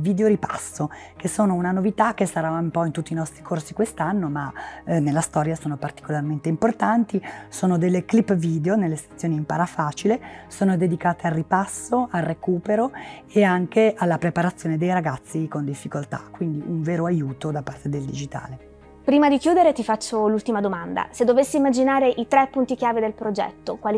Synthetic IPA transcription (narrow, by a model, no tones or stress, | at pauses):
viːd̪eoɾipa̰sːo | k̟esoːnounanovit̪akːesaɾaumpɔint̪ut̪ːinɔst̪ɾikʰorsikwest̪anːomanelːast̪ɔːɾjasoːnopart̪i̥kolarment̪eimport̪ant̪isoːnod̪elːeklipːviːd̪eonelːest̪at̪sːjoːniːmpaɾafaːt͡ʃilesoːnod̪ed̪ikaːt̪ealrːipasːoʔarrekuːpeɾoeaŋkeʔalːapɾepaɾat̪sːjoːned̪ejɾaɡat̪sːikond̪ifːikolt̪a̰kːwind̪iʔuɱveːɾoajuːt̪od̪apːart̪ed̪eld̪id͡ʒit̪a̰ːle | pɾiːmad̪ikjuːd̪eɾet̪ifat͡ʃːolult̪imad̪omand̪a̰sed̪ːovesːiːmːad͡ʒinaːɾeʔit̪ɾɛpːunt̪ik̟jaːved̪elpɾod͡ʒɛ̰t̪ːokwali